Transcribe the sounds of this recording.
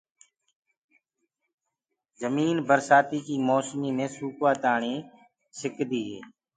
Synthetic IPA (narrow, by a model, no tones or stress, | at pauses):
zəmiːnbəɾsaːt̪iːkiːmoːsmiːmẽːsuːkʋaːt̪aːɳĩː | sɪkd̪iːɦḛː